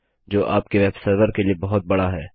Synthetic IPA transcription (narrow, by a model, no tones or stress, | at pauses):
d͡ʒoːʔaːpkeʋɛːbsəɾʋəɾkeliebɐɦʊt̪̚bɐɽaɦɛː